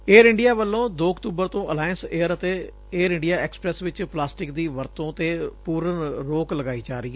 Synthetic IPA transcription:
eːɾɪɳɖɪijaːʋəlːõːd̪oːkt̪uːbəɾt̪õːʔəlaːɪə̃nseːəɾət̪eː | eːɾɪ̃ɳɖɪjaːɛːkspɾɛːsʋɪt͡ʃplaːsʈɪkd̪iːʋəɾt̪õːt̪eːpuːɾənɾoːkləɡaːiːd͡ʒaːɾəiː

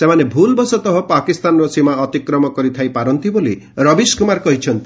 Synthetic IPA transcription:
semanebʱulbɔsɔt̪ɔɦɔpakist̪anɾɔsimaɔt̪ikɾɔmɔkɔɾit̪ʰajpaɾɔnt̪iboli | ɾɔbiskumaɾkɔɦit͡ʃʰɔnt̪i̥

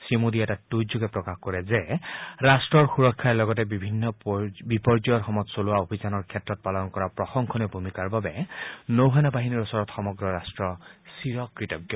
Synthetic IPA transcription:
simud̪iɛtatːud͡ʒoɡɛpɹɔkaxkɔɹɛzɛɹastɹɔɹxuɹɔkʰːaɛlɔɡɔtɛbibʱinːɔbipɔɹd͡ʒɔjɔɹxɔmɔtsolʊwaobʱizanɔɹkʰɛtːɹɔt̚palɔnkɔɹapɹɔxɔŋkʰɔnɛbʱumikaɹbabɛnowɦanabaɦiniɹosɔɹɔtxɔmɔɡɹɔɹastɹɔsiɹɔkɹitɔɡjɔ

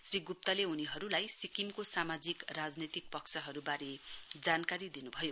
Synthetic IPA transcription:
sriɡup̚t̪ʌleɦuniɦʌɾulajsikimkosamad͡zikrad͡znet̪ik̚pʌksʰʌɦʌɾubaɾed͡zankaɾid̪inubʱʌjo

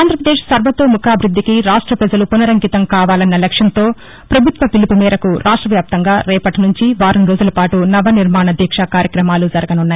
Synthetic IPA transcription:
aːnd̪ɾɐpɾɐd̪eːʂsɐɾbʱɐt̪oːmukʰaːbʱɾud̪ʱːikiɾaːʂʈɾɐpɾɐd͡ʒɐlupunɐɾɐŋkit̪ɐmkaːʋaːlɐnːɐlɐkʂjɐnt̪o̞ː | pɾɐbʱut̪ʋɐpilipumɛːɾɐkuɾʔaːʂʈɾɐʋjaːp̚t̪ɐŋɡaːɾɛːpɐʈinuɲt͡ʃiʋaːɾɐnɾo̞ːd͡ʒulɐpaːʈunɐʋɐniɾmaːɳɐd̪ʱjɐkʂakaːɾjɐkɾɐmaːlud͡ʒɐɾɐɡɐnunːaːji

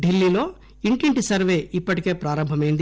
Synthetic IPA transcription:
ɖilːilo̞ː | iɳʈiɳʈisɐɾʋe̞ːipːɐʈike̞ːpɾaːɾɐmbʱɐmɐjnd̪i

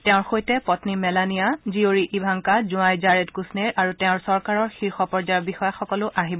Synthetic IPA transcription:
tɛʊ̃ɹxojtɛpɔtnimɛlanijazioɹiʔibʱaŋkazũajd͡ʒaɹedkusneɹaɹutɛʊ̃ɹsɔɹkaɹɔɹxiɹxɔpɔɹzajɔbixɔjaxɔkɔlʊʔaɦibɔ

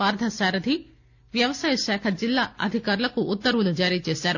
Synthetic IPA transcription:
aːɾd̪ʱɐsaːɾɐd̪ʱi | ʋjɐʋɐsaːjɐʃɛːkʰɐd͡ʒilːaːɐ̰d̪ʱikaːɾulɐkuʔːt̪ːɐɾʋulud͡ʒaːɾiːt͡ʃeːsaːɾu

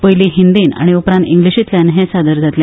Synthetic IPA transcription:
pəɦjliɦind̪iːna̰ɽ̃iupɾãnt̪ĩŋɡliɕiːt̪ljanɦẽsad̪əɾd͡zat̪lja

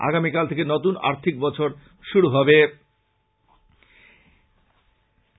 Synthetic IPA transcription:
a̰ɡamikalt̪ʰekenɔt̪una̰ɾt̪ʰik̚bɔt͡ɕʰoɾ | ʃuɾuɦɔbe

